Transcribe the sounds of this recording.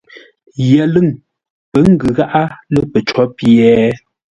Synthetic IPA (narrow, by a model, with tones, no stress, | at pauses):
jɛ˨lɨ˦˨ŋ | pə˨˦ŋ̩˦ɡɨ˨ɣa˦ʔa˦lə˦pə˨t͡ʃɔ˦pjɛ˦